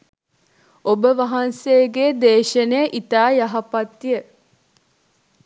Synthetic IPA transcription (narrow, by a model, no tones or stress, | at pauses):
obəʋɐɦɐnsejɡeːd̪eːʃənejəʔit̪aːjaɦɐpat̪ːijə